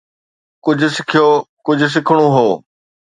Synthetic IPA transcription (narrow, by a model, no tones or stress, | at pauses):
kʊd͡ʑʱʊ̆sɪkʰijokʊd͡ʑʱʊ̆s̬ɪkʰəɽ̃ũɦoː